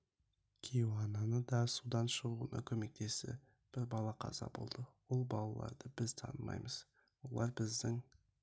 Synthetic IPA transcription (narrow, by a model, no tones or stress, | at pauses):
kʲʰeɑnɑnəd̪ɑsud̪ɑnʃəʁuənʔɑ̰kʲʰɵme̞k̚t̪ʰe̞sɪ̰ | b̥ɪɾbɑlˠɑqʰɑ̰zɑ̰bo̞̰lˠd̪əwo̞lˠbɑlˠɑlˠɑ̰ɾd̪əbɪzt̪ʰɑnəmɑ̰jməz̥ | wo̞lˠɑɾbɪzd̪ɪŋ